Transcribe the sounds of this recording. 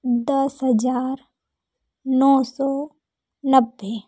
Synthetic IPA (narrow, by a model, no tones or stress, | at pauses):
d̪əsɦəd͡ʒaːɾ | nɔːsɔː | nəbːe